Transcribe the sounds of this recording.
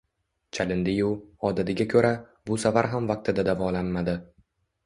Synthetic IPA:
t͡ʃʰalɪnd̪ɪjʊɒd̪ad̪ɪɡʲakʰʲɵɾa | bʊsavaɾɦamvaq̚t̪ʰɪd̪ad̪avɒlanmad̪ɪ

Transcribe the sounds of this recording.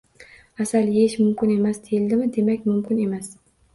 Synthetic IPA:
asaljeɪʃmʊmkʲɪne̞masd̪ʰejɪld̪ɪmɪd̪e̞makʲmʊmkʰʲɪne̞mas

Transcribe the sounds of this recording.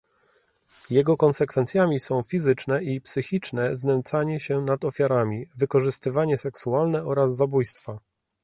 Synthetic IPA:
jɛɡɔkɔnsɛkfɛnt̪sʲjamʲisɔ̃w̃fʲizɘt͡ʂnɛipsɘxʲit͡ʂnɛznɛnt̪saɲɛɕɛnad̪ɔfʲjaɾamʲivɘkɔʐɘst̪ɘvaɲɛsɛksualnɛɔɾazːabujst̪fa

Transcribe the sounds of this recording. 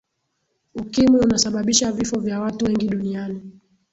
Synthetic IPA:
ukimwiunasaɓaɓiʃavifɔvjawatuwɛŋɡiɗuniani

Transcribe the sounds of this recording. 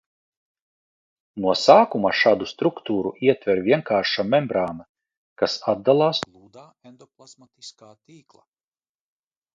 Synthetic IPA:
nuɔsaːkumaʃaːd̪ust̪ɾukt̪uːɾṵʔiɛt̪vʲɛɾvʲiɛŋkaːɾʃamɛmbɾaːna | kasad̪̚d̪alˠaːslˠuːd̪aːend̪ɔplˠasmat̪iskaːt̪iːklˠa̰

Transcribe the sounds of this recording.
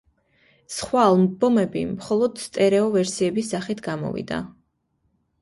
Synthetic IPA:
sχwaːlˠmbɔmɛbḭmχɔlˠɔd̪̥st̪ʼɛɾɛɔvɛɾsiɛbisaχit̪ʰɡamɔ̰vḭd̪a̰

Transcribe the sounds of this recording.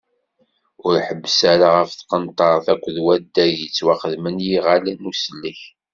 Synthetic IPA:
ʊɾħəbːəsaɾaʁəfθqənt̪ˤɑɾˤθækʷːðwæd̪ːæjət͡sːwaχəðmənjiʁalænusəlːiç

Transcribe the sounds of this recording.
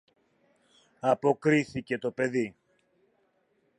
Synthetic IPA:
ɐpo̞kɾiθice̞t̪o̞pe̞ði

